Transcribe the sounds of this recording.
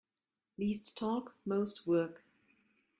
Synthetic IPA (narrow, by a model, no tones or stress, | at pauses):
liːstʰːɔkmoʊst̚wɜ˞k